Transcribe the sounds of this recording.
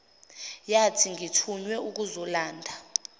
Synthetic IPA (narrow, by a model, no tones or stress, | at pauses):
jatʰiŋitʰuɲwɛuk̬uzɔlaːndʱa